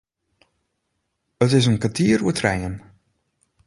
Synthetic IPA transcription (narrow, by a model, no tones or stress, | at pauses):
ətɪs̬ənkatʰiːɾṵtʰrɛjən